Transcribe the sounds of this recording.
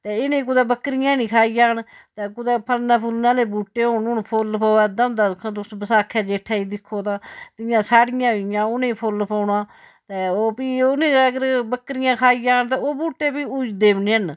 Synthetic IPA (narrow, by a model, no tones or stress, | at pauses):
t̪eːɪnẽːk̬ʊd̪ɛːbəkːɾɪjãːnĩːkʰaːiːd͡ʒaːn | t̪eːkʊd̪ɛːpʰəlnãːpʰʊlnãːleːbuːʈːeːɦoːnʊnpʰolpaːɛːd̪əmd̪aːkʰãd̪ʊsbəsaːkʰːɛːd͡ʒeːʈʰːaːiːd̪ɪkʰːoːt̪ãːt̪ɪjãːsaːɽɪjãːɪjãːʊnẽːpʰolpaːnãː | t̪eːoːpiːʊnẽːəɡəɾbəkːɾɪjãːkʰaːiːjaːnt̪ɛːoːbuːʈːeːpiːud͡ʒd̪eːʋneːən